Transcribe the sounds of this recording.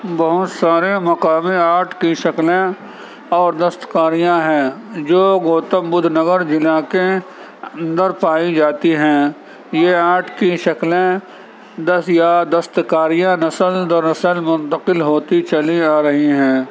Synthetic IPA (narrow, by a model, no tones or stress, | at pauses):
bɐɦʊt̪saːɾemɐqaːmẽaːʈʰkiʃɐklẽ | ɔːɾd̪ɐst̪kaːɾijãɦɛ̃ːd͡ʒoːɡoːt̪əmbʊd̪ʱnəɡəɾd͡ʒɪlãːke | ɐə̃nd̪əɾpaːid͡ʒaːt̪iɦɛ̃ː | jeaːʈʰkiʃɐklẽ | d̪əjad̪ɐst̪kaːɾijãnɐsəld̪əɾnɐsəlmʊ̃nt̪əqɪlɦoːt̪it͡ʃɐliaːɾɐɦiɦɛ̃ː